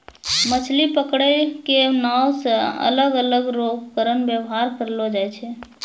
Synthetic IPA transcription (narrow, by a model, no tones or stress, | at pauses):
mət͡ʃʰlipəkɽəkenawsə̃ə̰ləɡələɡɾoɡkəɾənbjəwɦaɾkəɾlɔd͡ʒajt͡ʃʰɛ